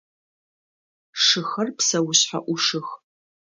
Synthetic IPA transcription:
ʂɨxɐrpsɐwʊɕħa̰ʔʷʊʂɨx

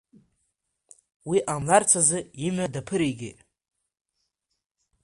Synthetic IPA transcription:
wiʔamlart͡sʰazɨimadapʰɨɾiɡʲɪ̰

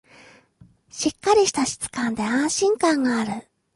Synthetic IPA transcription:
ɕikːaɾʲiɕi̥t̪aɕi̥t͡sɨ̥kãnd̪e̞ãɰ̃ɕĩŋkãŋɡaːɾɯ̟

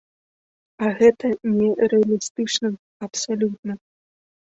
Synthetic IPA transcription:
ɐɣɛt̪ɐnʲɛɾɛɐlʲist̪ɨt͡ʂnɐ | ɐpsalʲut̪̚nɐ

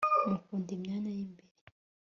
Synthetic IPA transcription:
makundim̩nanaimbili

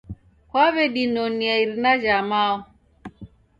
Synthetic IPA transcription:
kwaβɛɗinɔniaiɾinaʒamaɔ

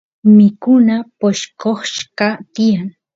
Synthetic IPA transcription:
mɪkʊnapoʃkoχʃqɑt̪ɪjaŋ

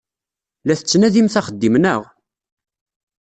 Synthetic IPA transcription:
læθət͡sːnæðimθæχəd̪ːimnəʁ

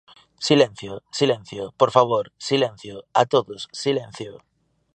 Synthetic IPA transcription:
silẽn̟θjosilẽn̟θjopoɾfaβ̞oɾsilẽn̟θjoat̪oðosːilẽn̟θjo

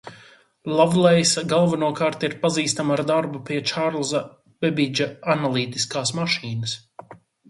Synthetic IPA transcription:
lˠavlˠɛjsaɡalˠvanuɔkaːɾt̪iɾpaziːst̪amaɾd̪aɾbupiɛt͡ʃaɾlˠza | bɛbid͡ʒaanalˠiːt̪i̥skaːsmaʃiːnəs

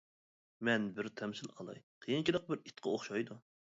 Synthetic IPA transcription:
mɛnbɪɾt̪ʰɛmsɪlɑ̰lˠɑ̰jqʰəjint͡ʃid̪əq̚bɪɾit̪qʰəoχʃɑjd̪u

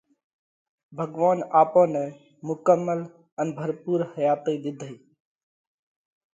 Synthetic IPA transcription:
bʱəɡʋaːnaːpõːnɛ̃ː | mʊkəmːəl | ənbʱəɾpuːɾhəjaːt̪iːd̪ɪd̪ʱiː

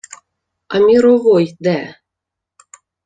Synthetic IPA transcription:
ɑmʲiɾovojd̪æ

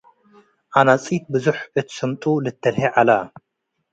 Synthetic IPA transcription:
ʔanat͡sʼit̪̚bɨzuħɨt̪ʰi̥sɐmt̪ʼulɨt̪ʰːɐlħiʕala

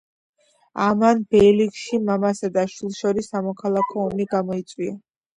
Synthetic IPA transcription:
amanbɛlikʃimamasad̪aʃwilˠʃɔɾisːamɔkʰalˠakʰɔːmiɡamɔit̪sʼwia

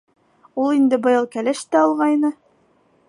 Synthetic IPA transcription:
ulˠind̪ɘbɤ̆jɑlˠkælɘʃt̪æɒlˠʁɑjnɤ

